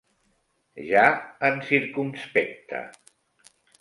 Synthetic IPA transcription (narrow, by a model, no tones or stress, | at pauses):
ʒaənsiɾkumspɛk̚t̪ʰə̰